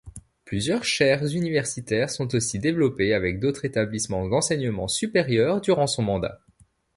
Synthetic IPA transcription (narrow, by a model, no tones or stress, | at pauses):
plyzjœʁʃɛʁzynivɛʁsit̪ɛʁsɔ̃t̪osid̪evlɔpeavɛk̚d̪ot̪χet̪ablismɑ̃d̪ɑ̃sɛɲəmɑ̃sypeʁjœʁd̪yʁɑ̃sɔ̃mɑ̃d̪a̰